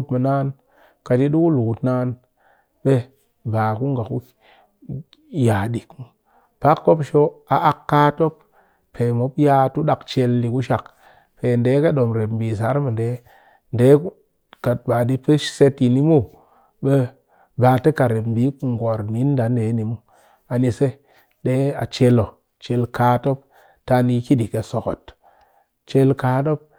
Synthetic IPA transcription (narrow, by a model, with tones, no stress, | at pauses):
tmə˨naː˦n | ka˨d͡ʒi˦ɗu˦ku˦lu˨ku˨tnaː˦n | ɓe˦ | baː˨ku˦ŋɡa˨ku˦ | ja˨di˨kmu˨ | pa˦kːo˦pʃo˦a˨ʔa˨kːa˦to˦p | pe˨mo˨pja˦tu˦ɗa˨kt͡ʃe˨lːi˨ku˦ʃa˨k | pe˨nde˨˦ka˦ɗo˨mɾe˨bmbi˨s̬a˨˦ɾmə˨nde˨˦ | nde˨˦k | ka˨t̚ba˨di˦pə˦ʃse˦ti˨ni˦mu˦ | ɓe˦ | baː˨te˦ka˨ɾe˨bmbi˨˦ku˨ŋ˨ɡo˨ɾni˨˦n˦da˨˦nde˨˦ni˨mu˦ | a˨ni˨se˦ | de˦a̰˨t͡ʃe˦lo˨ | t͡ʃe˨lka˦to˦p̚ | ta˦ni˦ki˦di˨ke˨so˨ko̰˨t | t͡ʃe˦lka˨˦to˦p̚